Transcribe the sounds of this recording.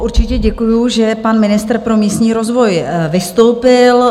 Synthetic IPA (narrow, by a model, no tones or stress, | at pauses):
ʔuɾt͡ʃɪcɛɟɛkujuʒɛpanmɪnɪst̪r̩pɾo̞miːst̪ɲiːɾo̞zvo̞jvɪst̪owpɪl